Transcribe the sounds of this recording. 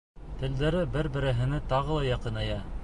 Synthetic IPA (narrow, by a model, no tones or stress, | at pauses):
t̪ɘ̆ld̪æɾɘbɘɾbɘ̆ɾɘ̆ɦɘ̆nɘt̪ɑʁɤlˠɑjɑqɤ̆nɑjɑ